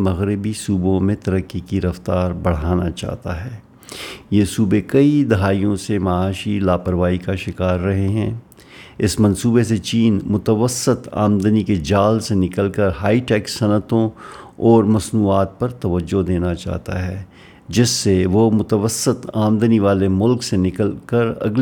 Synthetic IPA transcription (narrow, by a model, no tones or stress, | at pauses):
mɐɣɾɪbisuːbõmẽt̪ɐɾəkːikiɾɐft̪aːɾbɐɽ̤aːnat͡ʃa̰ːɦt̪a̰ɦɛː | jesuːbekɐid̪ɐɦaːijõsemɐaːʃilaːpəɾʋaːikaʃɪkaːɾːɐɦeɦɛ̃ː | ɪsmɐ̃nsuːbeset͡ʃiːnmʊt̪əʋəsɪt̪a̰ːmd̪əniked͡ʒaːlsenɪkəlkəɾɦaːiʈɛːksɐnət̪õɔːɾmɐsnuːaːt̪̚pɐɾt̪ɐʋəd͡ʒːod̪eːnat͡ʃa̰ːɦt̪a̰ɦɛː | d͡ʒɪsːeʋomʊt̪əʋəsːɪt̪aːmd̪əniʋaːlemʊlksenɪkəlkɐɾɐ̰ɡl